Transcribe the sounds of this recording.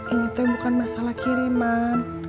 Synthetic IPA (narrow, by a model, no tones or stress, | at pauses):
iɲit̪abukanmasalahkiɾiman